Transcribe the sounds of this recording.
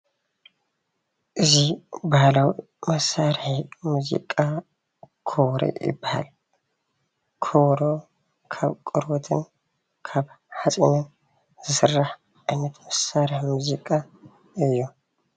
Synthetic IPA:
ʔɨzibahlawi | mɐsːaɾħmuzḭkʼa | kʰowɾḛjɪ̰bːaha̰l | kʰowɾo̞ | kʰa̰βkʼɨɾwɔt̪ʰɨn | kʰaβ | ħasʼiɲan | zɨsɨrːaħ | ʔajnːɐt̪mɐsaɾħmuzikʼa | ɨjːu

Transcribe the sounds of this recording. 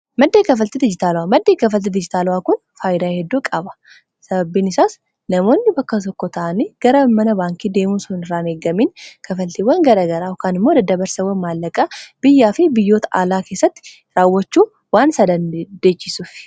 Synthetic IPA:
mɐd̪ːeːkɐfɐlt̪ɛd̪ɪd͡ʒɪt̪aːlʊwaːmɐd̪ːeːkɐfɐlt̪ɛd̪ɪd͡ʒɪt̪aːlwaːkʊn | faːjɪd̪aːhɛd̪ːuːkʼɐbɐ̥ | sɐbɐbːiːnɪsaːs | nɐmo̞ːnːɪbɐkːɐt̪ɔkːɔt̪ɐʔɐniːɡ̥ɐɾɐmɐnɐbaːŋkid̪e̞ːmuːsʊnɪrːaːneːɡɐmiːnkʰɐfɐlt̪ewɐŋɡɐɾɐɡɐɾaːhɔkaːnɪmːod̪ɐd̪ɐbɐɾsɐwːɐnmaːlːɐkʼaːb̥ɪjːaːfɪbɪjːo̞ːt̪ɐʔa̰ːlaːke̞ːsːɐt̪ːɪ̥ | ɾaːwːɐt͡ʃːuː | waːnsɐd̪ɐnd̪eːt͡ʃːɪsuːf

